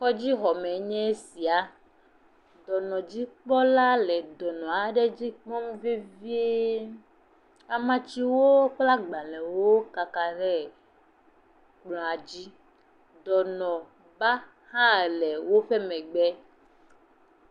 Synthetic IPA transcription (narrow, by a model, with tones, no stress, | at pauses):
kɔ˦d͡ʑi˦ɦɔ˨mɛ˨ɲɛ̃˦si˨a˨ | d̪ɔ˨nɔ̃˨d͡ʑi˦k͡pɔ˦la˦lɛ˨d̪ɔ˨nɔ̃˨a˨ɖe˦d͡ʑi˦k͡pɔ̃˦mve˦vi˦e˦ | a˨mã˨˦t͡ɕi˦wo˦k͡pla˦ɡ͡ba˨lɛ̃˨wo˦ka˨ka˨ɖɛ˦ | klɔ̃˨a˨d͡ʑi˦ | d̪ɔ˨nɔ̃˨ | ba˦ | hã˦˨lɛ˨wo˦ɸɛ˦mɛ̃˨ɡ͡bɛ˦